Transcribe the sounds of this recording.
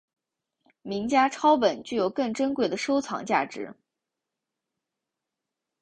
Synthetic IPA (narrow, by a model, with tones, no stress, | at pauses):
mi˧˥ŋt͡ɕja˥ʈ͡ʂʰɑ˥ʊpə˨˩nt͡ɕy˥˩jo˧˩ʊkɤ˥˩ŋʈ͡ʂə˥nkwe˥˩ɪd̪ə˩ʂo˥ʊt͡sʰɑ̰˧˥ŋt͡ɕja̰˥˩ʈ͡ʂɻ̩̰˧˥